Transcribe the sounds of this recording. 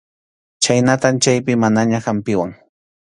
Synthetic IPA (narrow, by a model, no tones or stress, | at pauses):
t͡ʃajnat̪amt͡ʃajpɪmanaɲaxampɪwaŋ